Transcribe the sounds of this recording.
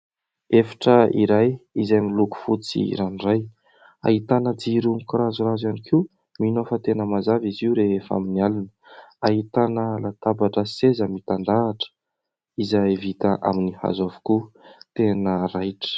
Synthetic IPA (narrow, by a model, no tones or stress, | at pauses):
efḁʈ͡ʂəḭɾajizajmiluku̥fut͡sḭɾaniraj | a̰ɦit̪anəd͡ziɾuŋikrazurazanikʰi | minofət̪enəmazaviziuɾeefa̰minialinə̥aɦit̪anəlat̪abaʈ͡ʂəsezəmit̪and̪aːʈ͡ʂə̥ | izavit̪əʔa̰miniha̰zavu̥kut̪enərajʈ͡ʂə̥